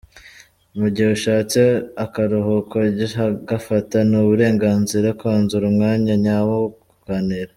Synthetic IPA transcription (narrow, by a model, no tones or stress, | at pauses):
muɟiuʃaːt͡seakaɾoɦokoɟiaɡafatanuβuɾe̞ːŋɡaːnziɾakaːnzuɾumŋaːɲaɲawo | ukaneɾa